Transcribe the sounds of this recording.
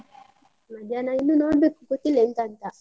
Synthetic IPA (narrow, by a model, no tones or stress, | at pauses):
mad͡ʒanainunɔbekukotilen̩tan̩ta